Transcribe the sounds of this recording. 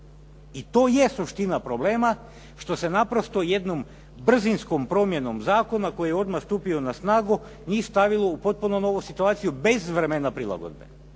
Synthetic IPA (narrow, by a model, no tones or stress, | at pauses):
it̪o̞ːjesuʃt̪inapɾo̞ble̞ːma | ʃt̪o̞se̞napɾo̞st̪o̞je̞d̪nom | br̩zinskompɾo̞mje̞no̞mzaːko̞nako̞jejeo̞d̪maxst̪uːpio̞nasnaːɡu | nist̪aʋilˠo̞upo̞t̪̚punono̞ʋusit̪uaːt̪sijube̞zʋɾemenapɾila̰ɡo̰d̪be̞̰